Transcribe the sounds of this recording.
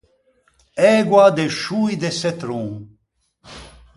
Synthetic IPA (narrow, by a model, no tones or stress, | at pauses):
eːɡwaːd̪eʃuːjd̪eset̪ɾũ